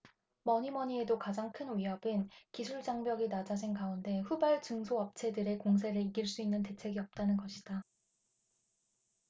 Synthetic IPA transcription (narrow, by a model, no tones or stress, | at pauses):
mʌɲimʌɲie̞dokad͡ʑaŋkʰɯnwiɦʌbɯnkisʰuɭd͡ʑaŋbjʌɡinad͡ʑad͡ʑinkaunde̞ɸubaɭt͡ɕɯŋsʰoʌp̚t͡ɕʰe̞dɯɾe̞koŋs̬ʰe̞ɾɯɭiɡiɭs͈uinːɯnte̞t͡ɕʰe̞ɡiʌp̚t͈anɯnɡʌɕʰid̥a